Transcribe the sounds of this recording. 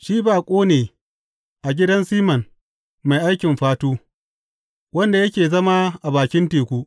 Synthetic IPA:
ʃiː˦baː˨kʷʼoː˦neː˨ | ʔa˨ɡʲɪ˦dɐ˦nsiː˦mɐ˨n | ma˨jʔa˦jkʲɪ˨mɸaː˦toː˦ | wɐ˦nda˨jɐ˦kʲeː˨zɐ˦maː˦ʔa˨baː˨kʲɪ˦nteː˨kʷu˦ʔ

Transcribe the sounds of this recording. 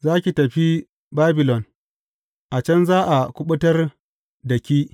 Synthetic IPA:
zaː˦kʲi˨tɐ˨ɸi˦ | baː˦bɪ˨lɔ˨n | ʔa˨t͡ʃɐ˦nzaː˦ʔa˨kʷʊ˦ɓʊ˦tɐ˦r | dɐ˨kʲiː˦

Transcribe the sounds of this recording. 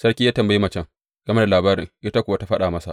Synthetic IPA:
sɐ˦ɽkʲi˦jaː˦tɐ˨mbɐ˨ji˦mɐ˨t͡ʃɛ˦˨ŋ | ɡ̥ɐ˨me˦da˨laː˨baː˦ɾɪ̰˨ŋʔɪ˦ta˦kʷʊ˨wa˦ta˦ɸɐ˦ɗaː˨mɐ˦sa̰˨ʔ

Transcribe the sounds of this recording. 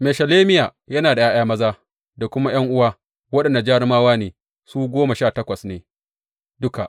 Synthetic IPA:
me˨ʃɐ˨leː˦mɪ˦jaː˨ | jɐ˦naː˨da˨jaː˦jaː˦mɐ˦zaː˦ | da˨kʷʊ˦ma˦j̰ɐ˦ŋʔʊ˦waː˦ | wɐ˦ɗɐ˨nda˨d͡ʒaː˦ɾɪ˦maː˦waː˦neː˨ | suː˦ɡʷoː˦ma˨ʃaː˦˨tɐ˦kʷɐ˨sneː˨ | dʊ˦ka˨ʔ

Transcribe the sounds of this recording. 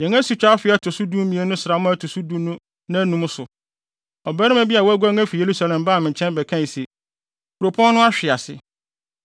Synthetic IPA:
ɲɛ̃˨ŋã˦su˨t͡ɕᶣa˦fɪ˨˦ɛ˦tʰʊ˨su˦dũ˦m˦mĩ˨e˦nʊ̃˦sɾa˨˦mʊ̃˦æ˦tʰʊ˨su˦dũ˦m˦nʊ̃˦ | nã˦nũ˨˦m˦sʊ˨ | ɔ˨bæ˦ɾɪ̃˦mæ˨˦bi˦a˨wɔ˦æ˦ɡʷæ˦ŋæ˦fi˨je˨ɾu˦sa˨lɛ̃˨mbaː˦˨mɪ̃˨ɲ˨t͡ɕʰɛ̃˦nbɛ˨kʰã˦˨se˨ | kʰu˨ɾo˨pʰɔ̃˦n˦nʊ̃˦a˦ɕᶣɪ˨a˨sɪ̰˨

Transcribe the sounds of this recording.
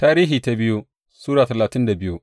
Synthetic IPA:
taː˦ɾiː˦ɦiː˨ta˦bɪ˦ju˦ | suː˦ɽaː˨tɐ˨laː˨tɪ˦nda˨bɪ˦ju˦ʔ

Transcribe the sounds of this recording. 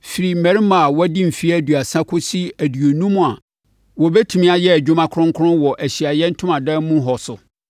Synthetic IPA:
fi˨ɾi˨mæ̃˨ɾi˦mã˨a˨wɔ˦dĩ˦m̩˨fi˦æ˦˨du˨a˨sã˦kʰʊ˦si˦æ˨dɥo˨nũ˦mʊ̃˨a˨ | wɔ˨bɛ˦tʰu˨mĩ˦a˨jɛ˦æ˨d͡ʑᶣʊ˦mã˦kʰʊ̃˦ŋ˦kʰʊ˦ɾʊ̃˦nwɔ˨ʔæ˨ɕi˨a˨jɛ˦n̩˦tʰʊ̃˦mã˨dã˦mũ˦ɦɔ˨sʊ˨

